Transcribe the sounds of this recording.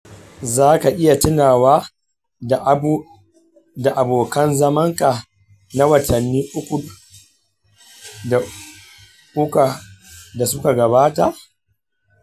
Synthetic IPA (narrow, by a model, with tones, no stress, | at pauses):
zaː˦ka˨ʔɪ˦ja˨tɪ˦naː˨waː˦ | da˨ʔa˨boː˨kɐ˦nzɐ˦mɐ˦ŋka˨ | na˦wɐ˨tʰɐ˨nːiː˦ʔʊ˦kʷu˨ | da˨ | ʔʊ˦ka˨da˨sʊ˦ka˨ɡɐ˨baː˦ta˨ʔ